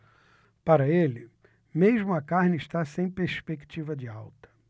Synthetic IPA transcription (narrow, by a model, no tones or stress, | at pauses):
paɾɐelɪ | meʒmʊɐkaɾnɪiʃt̪asẽj̃peɾspekt͡ʃivɐd͡ʒɪawt̪ɐ̥